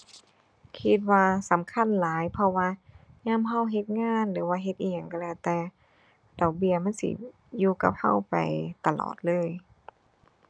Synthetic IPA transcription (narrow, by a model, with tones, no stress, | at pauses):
kʰi˧t̪̚waː˧sa˨˦mkʰa˧˥˨nlaː˨˦jpʰɔ˧waː˧ɲaː˧˥˨mɦa˧˩˨wɦe˧t̪̚ŋaː˧˥˨nlɯː˨˦waː˧ɦe˧t̪̚ʔiː˧˩ɲa˧˨ŋka˧˨lɛː˧˩wt̪ɛː˧ | dɔ˨˩k̚bi˧˩ɐma˧˥˨nsḭ˧˩ | juː˧ka̰˧˦p̚ha̰˧˥˨wpa̰˨˩jt̪a˧lɔ̰ː˨˩t̪̚lɤː˧˥˨j